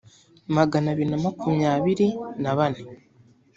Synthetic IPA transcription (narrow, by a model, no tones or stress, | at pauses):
maɡanaβiɾinamakumɲaːβiɾinaβane